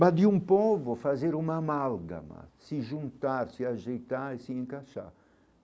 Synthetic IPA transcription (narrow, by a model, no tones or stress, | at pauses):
bad̪iũmpovʊfazeɾumamalɡa̰ma̰sɪʒũnt̪aɾsiaʒejt̪aɾisiẽŋkaʃa̰ɾ